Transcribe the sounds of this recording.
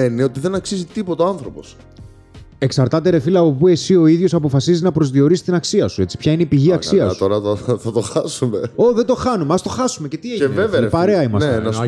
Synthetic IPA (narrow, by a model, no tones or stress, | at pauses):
eineot̪iðe̞nɐksizit̪ipot̪eoɐnθɾo̞po̞s | e̞ksɐɾt̪ɐt̪e̞ɾe̞filɐːopue̞sio̞iðʝo̞sɐpo̞fɐsiziznɐpɾo̞zðio̞ɾisi̥t̪inɐksiɐsue̞t͡si̥pçɐineipiʝiɐksiɐ̰sut̪oɾɐɐθɐt̪oxɐsumeo̞ðed̪o̞xɐnumeɐst̪o̞xɐsume̞ce̞t̪ieʝevevepɐɾeɐimɐseenɐ